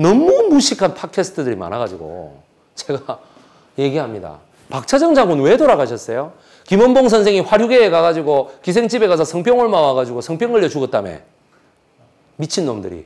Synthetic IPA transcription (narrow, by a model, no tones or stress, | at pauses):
nʌmːonmuɕʰikʰanpʰat̚kʰesʰɯ̥tʰɯdɯɾima̰naɡad͡ʑiɡo̰ | t͡ɕeɡa | je̞ɡiɦamɲida̰ | pak̚t͡ɕʰad͡ʑʌŋd͡ʑaŋɡonwe̞toɾaɡaɕʰʌs͈ʌjo | kimʌnboŋs̬ʰʌnsʰeŋiɸwaɾjuɡe̞ːkaɣad͡ʑiɡokis̬ʰe̞ŋt͡ɕ͈ibe̞ɣasʰʌsʰʌŋpʰjʌŋɯɭmawaɡad͡ʑiɡosʰʌŋpʰjʌŋɯɭːjʌt͡ɕuɡʌt̚t͈amḛ | mit͡ɕʰinːomdɯ̰ɾḭ